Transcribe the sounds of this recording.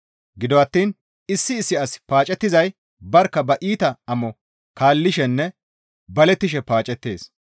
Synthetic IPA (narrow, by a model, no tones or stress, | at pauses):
ɡɪd̪ɔɐt̪ːiːn | ɪsːɪːsːɪɐspaːt͡ʃʼɛt̪ːɪzɐj | bɐɾkːɐbɐʔiːt̪ɐɐmɔ | kaːlːɪʃɛnːɛ | bɐlɛt̪ːɪʃ̬ɛpaːt͡ʃʼɛt̪ːeːs